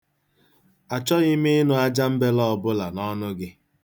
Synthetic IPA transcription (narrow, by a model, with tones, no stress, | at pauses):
a˨t͡ʃɔ˦ɣɪ˦mɪ˦nʊ˦a˦d͡ʒa˦m̩˦be˦lɔ˦˨bʊ˦la˨nɔ˦nʊ˦ɡɪ˦